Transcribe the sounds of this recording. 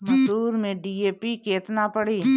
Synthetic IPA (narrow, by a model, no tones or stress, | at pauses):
məsuːɾmẽɖiːeːpikeːt̪napəɽiː